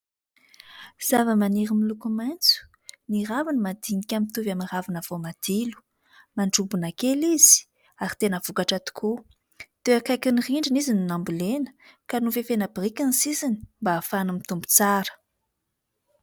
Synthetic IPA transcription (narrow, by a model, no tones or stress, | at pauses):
z̥avəmaniɾimilukumant͡su̥ | niravanəmad̪inikʲamint̪uvamiravanəv̥omad̪̥ilu̥ | maɳɖ͡ʐubunakeliz̥i̥ | aɾi̥t̪enəvukaʈ͡ʂat̪u̥kʰu | d̪̥eakajkiniriɳɖ͡ʐinizinunambulenə̥kanuvefenəbrikʲanisisini̥mbaːfanumit̪umbu̥t͡saɾə̥